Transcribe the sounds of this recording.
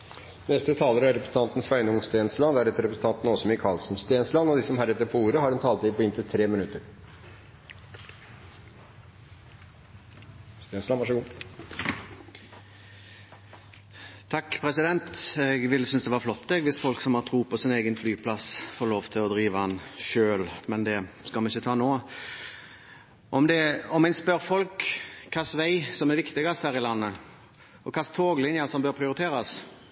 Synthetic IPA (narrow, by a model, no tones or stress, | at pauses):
nɛst̪ət̪ʰɑːləɾæɾɛpɾəsn̩t̪ʰɑnt̪n̩sʋæɪnʊŋst̪eːnslɑd̪ɛæɾɛt̪ːəɾɛpɾəsn̩t̪ɑnt̪n̩ɔsɔmɪkʰɑlsn̩st̪eːnslɑnɔd̪ɪsɔmɦæːɾɛt̪ːəɾpʰɔuːɾəhɑɖɛnt̪ʰɑːlt̪ɪpʰɔɪnt̪ʰɪlt̪ʰɾeːmɪnʉt̪ːəɾ | st̪eːnslɑʋɑʂəɡuː | t̪ʰɑkːpʰɾɛsɪd̪ɛnt̪ɛɡʋɪlːəsʏnsd̪ɛʋɑɾflɔt̪ːd̪ɛɡʋɪsfɔlksɔmhɑɾt̪ʰɾuːpʰɔsɪneːɡənflyːpʰlɑsfoːloːʋt̪ʰɪlɔd̪ɾiːʋəɑnʃøːlmɛnd̪ɛskɑlmɛnɪçːət̪ʰɑːnoː | ʔɔmd̪ɛɔmɛɪnspœɾfɔlkʰːɑsʋæɪsɔmɛɾʋɪkt̪ɪɡɑst̪hæːɾɪlɑnːə | ɔkʰɑst̪ʰoːɡlɪnjɑsɔmbøːɾpʰɾɪʊɾɪt̪ʰeːɾɑs